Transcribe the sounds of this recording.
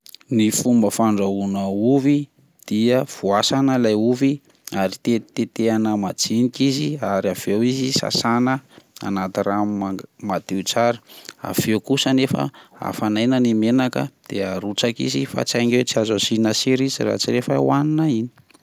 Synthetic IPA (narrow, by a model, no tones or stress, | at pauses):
nifumbəfaɳɖ͡ʐaunəuvi | d̪̥iəv̥uasanəlajuvi | aɾit̪et̪et̪eanəmad͡zinikiziaɾiav̥ewizisa̰sanəa̰nat̪iramad̪̥eut͡saɾi̥a̰v̥ewkusənefə̰a̰fanajnənimenakə̰d̪̥eaɾut͡sakḭzifa̰t͡sajŋewt͡siazasinasiɾizira̰t͡siɾefawaninaini̥